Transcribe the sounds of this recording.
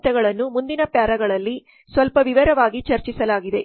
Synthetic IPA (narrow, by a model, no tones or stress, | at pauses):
t̪ɛɡɐɭɐnːumund̪inɐpjaːɾɐɡɐɭɐlːi | sʋɐlpɐʋiʋɐɾɐʋaːɡit͡ʃɐɾt͡ʃisɐlaːɡid̪e̞